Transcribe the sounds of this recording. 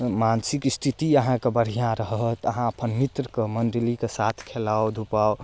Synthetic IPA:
mansikist̪ʰit̪iəɦãkebəɾ̤ijãɾəɦɦət̪əɦãəpʰənmit̪ɾəkemənɖlikesat̪ʰkʰelaod̪ʱupao

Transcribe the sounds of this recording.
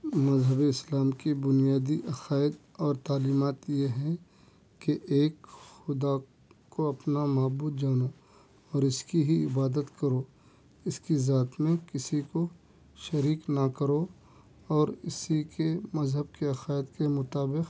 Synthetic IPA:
mɐzɦəbeɪslaːmkibʊnijaːd̪iʔɐqaːɪd̪ | ɔːɾt̪aːliːmaːt̪jeɦɛ̃ | keʔeːkxʊd̪a | koɐpnamaːbuːd̪̚d͡ʒaːno | ɔːɾɪskiɦiɪbaːd̪ət̪kɐɾo | ɪskizaːt̪mẽkɪsiko | ʃɐɾiːknɐkɐɾo | ɔːɾɪsikemɐzɦəb̚keɐqaːɪd̪kemʊt̪aːbɪq

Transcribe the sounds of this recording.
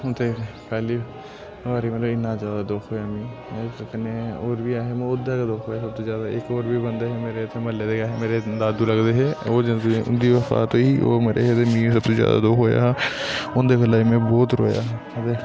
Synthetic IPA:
t̪ekkaːli | ʋaːɾimẽlɪnːazjaːd̪ad̪oːkʰoːemĩːoːkɐkneoːɾbʱiaːɦemeʊd̪akad̪oːkʰoːjesɐb̚t̪ozjaːd̪aḛːkoːɾbʱibɐ̃nd̪eɦɛmeːɾet̪ʰemɐled̪ekaːɦemeːɾed̪aːd̪ulɐɡd̪eɦɛod͡ʒɐʊ̰nd̪iʋɐfa̰ːt̪oɦio̰ːmeːɾʔḛɦed̪emĩs̬ɐb̚t̪ozja̰ːd̪a̰d̪oːkʰɦoːja̰ɦɛʊ̃nd̪ekəlaːimẽboːt̪ɾo̰ːja̰ɦ | ɐd̪e

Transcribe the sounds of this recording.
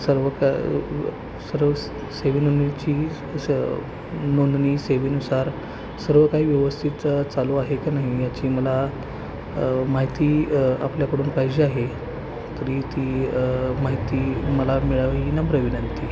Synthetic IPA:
səɾʋək | səɾʋə | seʋinonit͡ɕiː | nond̪niːseʋiːnusaɾ | səɾʋəkaɦiːʋjəʋəst̪ʰit̪t͡saluaɦekanaɦijat͡ɕiːməla | maɦit̪iːa̰pljakəɽuːnpajd͡ʑeaɦe | t̪əɾiːt̪iːmaɦit̪iːməlamiɭaʋinəbɾəʋinənt̪iː

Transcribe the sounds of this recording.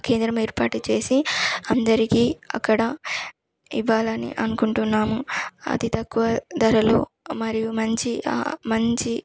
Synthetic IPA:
ke̞ːnd̪ɾɐmeːɾpaːʈut͡ʃe̞ːsiɐnd̪ɐɾikiːɐ̰kːɐɽɐ | iʋaːlɐnḭʔɐnukuɳʈunːaːmuɐ̰d̪it̪ɐkːuʋɐd̪ɐɾɐluː | mɐɾijumɐɲt͡ʃia̰mɐɲt͡ʃi

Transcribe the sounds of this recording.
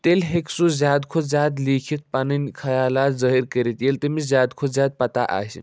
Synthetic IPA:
t̪elɦeksuzʲjaːd̪kʰozʲjaːd̪likʰit̪̚paninkʰɐjaːlaːt̪zəɦiɾkəɾit̪jelt̪əmizjaːd̪kʰozʲjaːd̪̚pɐt̪aʔa̰ːsḭ

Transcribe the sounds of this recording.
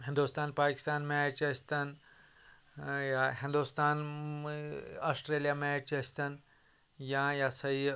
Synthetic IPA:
ɦĩnd̪ust̪aːnpaːki̥st̪aːnmaːt͡ʃɐsʲt̪ɐn | jaɦĩnd̪ust̪aːn | asʈɾeːlijamaːt͡ʃɐsʲt̪ɐn | jãjasɐɦi

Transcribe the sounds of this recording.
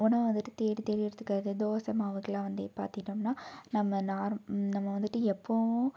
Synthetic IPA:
ɔnːɐʋɐnd̪ɯʈːɯt̪eːɽit̪ɛːɾɪjɪɾɐt̪ːɯ̥kːaːɾɐðɯd̪oːsɐmaːʋɐkːɐlãːʋɐnd̪epaːɾt̪ɯkɪʈːɐmnaːnɐmːɐnaːɾnɐmːɐʋɐnd̪ɯʈːɯɛpːoʊ̃

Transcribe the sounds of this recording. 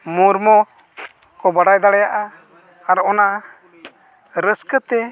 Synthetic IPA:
muɾmɔ | kɔbaɽajd̪aɽajaʔaː | ɾɔna | ɾəskət̪ɛ

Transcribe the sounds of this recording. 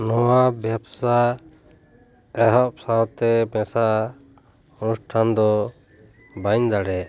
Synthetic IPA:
nɔwabjɛbsa | ɛɦɔp̚sawt̪ɛbɛ̃sa | unusʈʰand̪ɔ | baɲd̪aɽɛʔ

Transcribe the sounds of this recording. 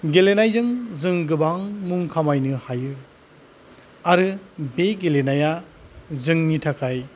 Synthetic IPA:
ɡelenajzɯŋzɯŋɡɯbaŋmuŋkʰamajnɯhajɯ | aɾɯbeɡelenaja | zɯŋnitʰakʰaj

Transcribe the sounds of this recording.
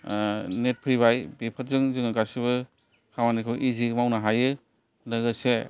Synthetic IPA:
net̚pʰɾiβajbipʰɯt̚zɯŋzɯŋaɡasiβɯ | kʰawanikʰɯjʔiziɡmawnaɦajɯ | laɡase

